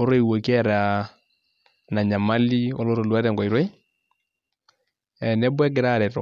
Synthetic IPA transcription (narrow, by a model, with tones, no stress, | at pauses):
o˦ɾo˦i˨wo˨kɛ˦ɾa˨ | na˨ɲa˨ma˦li˦ɔ˦lo˦ɾo˨lwa˦ɾɛ˨ŋɡɔ˨i˨ɾwɛ˦i˦ | ɛ˨nɛ˦bwɛ˦ɡɪ˨ɾa˦˨ɾɛ˨tɔ̰˨